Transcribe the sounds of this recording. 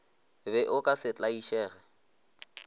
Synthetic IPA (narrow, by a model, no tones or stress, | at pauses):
bɛʔʊkʼasɪt͡ɬʼaiʃɛːɣɛ